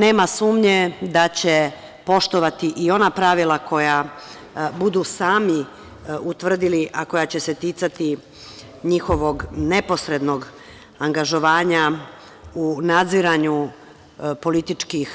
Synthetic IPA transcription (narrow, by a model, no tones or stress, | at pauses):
ne̞ːmasuːmɲed̪at͡ɕe̞ | po̞ʃt̪o̞ʋat̪iʔio̞napɾaʋilˠako̞ja | bud̪usaːmi | ut̪ʋr̩d̪iliʔako̞jat͡ɕe̞se̞t̪it̪sat̪i | ɲixo̞ʋo̞ɡne̞po̞sɾe̞d̪no̞ɡ | aŋɡaʒo̞ʋaːɲa | unad̪ziɾaɲu | po̞lit̪it͡ʃkix